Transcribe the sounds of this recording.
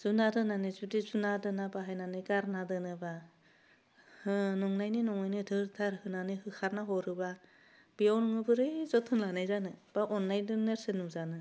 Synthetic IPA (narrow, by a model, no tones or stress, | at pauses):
z̥unadɯnanɯzudizunadɯnabaɦajnanɯɡaɾnadɯnɯba | hɯnɔŋnajninɔŋnajnɯdɯɾtʰaɾhɯnanɯhɯkʰaɾnaɦɔɾɯba | b̥iawnɔŋɯbɯɾɯjzɔtʰhɯnlanajzanɯb̥aʔɔnːajdɯneɾsenuzanɯ